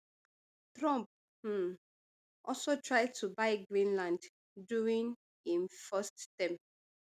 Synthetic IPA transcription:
tɹɔ̃mp̩̚ | ʔɔlsotʰɹaɪd̚tʰubaɪɡɹĩnlãnd | duĩŋ | ĩnfasttãm

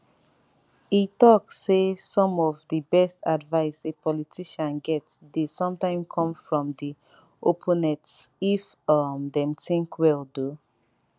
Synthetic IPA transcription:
itɔkːesɔ̃mɔvdibɛstadvaɪsepʰɔlitʰiʃãnɡɛtdesɔ̃mtãɪ̃mkʰɔ̃mfɹɔ̃mdi | ʔopʰõnɛtsifʌmdɛ̃mtĩŋkwɛldu

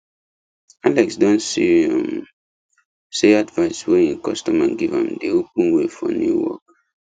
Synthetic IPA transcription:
alɛksdɔ̃nsiam | seadvaɪsweĩnkɔstɔmãɡivã̰mdeopə̃nwefɔ̰njuwɔ̰k̚

